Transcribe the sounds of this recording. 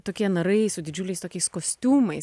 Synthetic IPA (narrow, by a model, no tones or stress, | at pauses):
t̪oːkʲiɛnɐɾɐɪsʊd̪ʲɪd͡ʒʲʊlʲɛɪst̪oːkʲɛɪskoːsʲt̪ʲuːmɐɪ